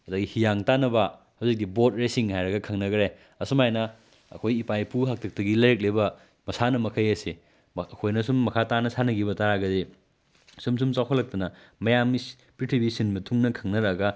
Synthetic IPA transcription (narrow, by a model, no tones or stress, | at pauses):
ɐdɐɡihijaŋtanɐbɐ | hawzik̚dibot̚ɾesiŋhajɾɐɡɐkʰɐŋnɐɡɐɾe | ɐsumajnɐ | ɐ̰kʰojipajpuɦak̚tʰɐk̚tɐɡilɐɾek̚lebɐ | mɐsanɐmɐkʰɐjɐsi | kʰojnɐsumːɐkʰatanɐsanɐɡibɐtaɾaɡɐdi | sums̬umt͡ʃawkʰɐlɐk̚tɐnɐ | mɐjamis | pɾitʰibisinmɐtʰuŋnɐkʰɐŋnɐɾaɡɐ